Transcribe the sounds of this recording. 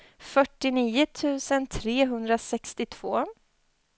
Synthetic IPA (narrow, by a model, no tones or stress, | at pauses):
fœʈːɪniːʊt̪ʰʉ̟ːsənt̪ʰɾeːɦɵnd̪ɾasɛkst̪ɪt̪ʰv̥oː